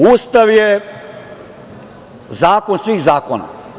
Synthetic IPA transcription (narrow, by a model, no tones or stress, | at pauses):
uːst̪aʋje | zaːkonsʋiːxzaːkona̰